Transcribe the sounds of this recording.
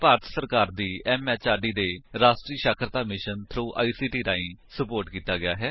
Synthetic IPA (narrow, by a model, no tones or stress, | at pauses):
paːɾt̪ʰsəɾkaːɾd̪iːɛːmɛːt͡ʃaːɾɖiːd̪eːɾaːsʈɾiːʃaːkʰɾət̪aːmɪʃənt̪ʰɾuːʔa̰ːiːsiːʈiːɾaːĩːsəpoːɾʈkiːt̪aːɡɪjaːɦɛː